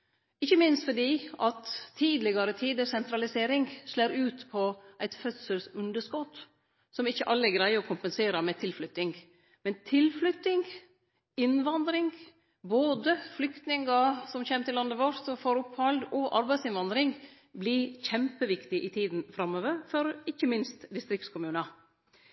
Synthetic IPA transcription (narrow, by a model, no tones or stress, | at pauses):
ɪçːəmɪnst̪fɔɖiːʔɑt̪ʰːiːd̪lɪɡɑɾət̪ʰiːd̪əsɛnt̪ɾɑlɪseːɾɪŋɡʂleːɾʉːt̪pʰɔʔæɪt̪fœt̪səlsʉnd̪əʂkɔt̪ː | sɔmɪçːəʔɑlːəɛɡɾæɪəɾɔkʰʊmpənseːɾɑmɛt̪ʰɪlflʉt̪ɪŋ | mɛnt̪ʰɪlflʉt̪ːɪŋ | ɪnʋɑnd̪ɾɪŋ | boːd̪əflʏkt̪nɪŋɡɑsɔmçeːmt̪ʰɪlːɑnd̪əʋoɾsɔfɔɾʊpːhɑld̪ɔʔɑɾbæɪsɪnʋɑnd̪ɾɪŋ | bliçɛmpəʋɪkt̪ɪʔɪt̪ʰiːd̪n̩fɾɑmoːʋəɾfɔɾɪçːəmɪnst̪d̪ɪst̪ɾɪk̚t̪skʰʊmʉːnɑ